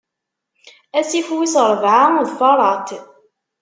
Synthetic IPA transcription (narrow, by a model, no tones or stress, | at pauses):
æsifwisəɾˤvʕanuðfɑɾˤɑt̪